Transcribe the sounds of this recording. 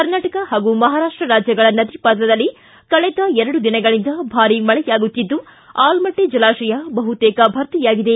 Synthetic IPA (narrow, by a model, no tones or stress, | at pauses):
kɐɾnaːʈɐkɐɦaːɡumɐɦaːɾaːʂʈɾɐɾaːd͡ʒjɐɡɐɭɐnɐd̪ipaːd̪lɐd̪ɐlːi | kɐɭɛd̪ɐɛɾɐɽud̪inɐɡɐɭind̪ɐbʱaːɾimɐɭɛjaːɡut̪ːid̪ːu | aːlmɐʈːed͡ʒɐlaːʂɐjɐbɐɦut̪ɛːkɐbʱɐɾt̪ijaːɡid̪e̞